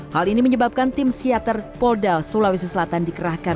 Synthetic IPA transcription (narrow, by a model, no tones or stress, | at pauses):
haliniməɲəbap̚kant̪ɪmsiat̪ərpɔldalsolawis̬asəlat̪andikəɾahka